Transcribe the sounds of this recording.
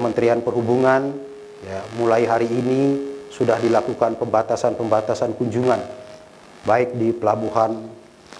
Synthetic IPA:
əmənt̪ɾianpərɦubuŋan | jamulaiɦaɾiːnisudahdilakukanpəmbat̪asanpəmbat̪asankuɲd͡ʒuŋan | baɪk̚dipəlabuɦan

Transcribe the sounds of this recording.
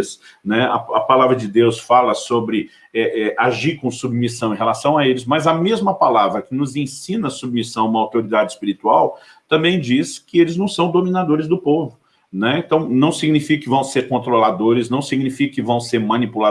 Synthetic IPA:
snɛɐ̰ɐpalavɾɐd͡ʒɪd̪ewsfalɐsobɾɪ | ɛʔɛʔaʒiɾkõw̃submisɐ̃w̃ẽɦelasɐ̃w̃aelɪzmɐzɐmezmɐpalavɾɐkɪnʊzẽsĩnɐsub̚misɐ̃w̃ũmɐawt̪oɾid̪ad͡ʒɪspiɾit̪uaw | t̪ɐ̃mbẽj̃d͡ʒiskɪelɪznɐ̃w̃sɐ̃w̃d̪omĩnad̪oɾɪzd̪ʊpovʊ | nɛẽnt̪ɐ̃w̃nɐ̃w̃siɡnifikɐkɪvɐ̃w̃seɾkõnt̪ɾolad̪oɾɪznɐ̃w̃siɡnifikɐkɪvɐ̃w̃seɾmɐ̃nipula

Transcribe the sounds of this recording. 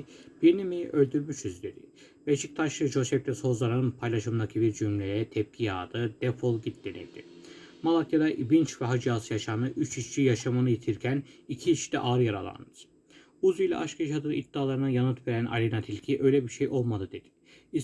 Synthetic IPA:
b̥iɾnimiʔølʲd̪yɾmyʃyzyd̪e̞d̪̥i | vɛt͡ʃʰik̚t̪ʰaʃˠɯd͡ʒo̞sɛft̪ʰɛsho̞zlˠaɾanɯnpʰajlʲˠaʃɯmd̪acʰibiɾd͡ʒymlʲej̪ɛt̪ʰɛp̚cʰija̰ːd̪ɯd̪̥ɛfolˠɟit̪̚d̪enḭlʲd̪ḭ | malˠakjad̪aʔibint͡ʃvɛɦad͡ʒiaːsɯjaʃanɯʔyt͡ʃit͡ʃt͡ʃʰijaʃamanɯjet̪ʰiɾcʰænicʰit͡ʃt̪ɛʔaːɾjaɾa̰lˠa̰nd̪ɯɾ̥ | uzijlʲɛ̰ʔaʃkʰaʃad̪ɯnid̪̥ːaːlˠaɾɯnajanɯt̪ve̞ɾænʔa̰lʲinat̪ʰilʲcʰiʔø̞jlʲɛbiɾʃejʔo̞lˠmad̪ɯd̪e̞d̪i̥ | i

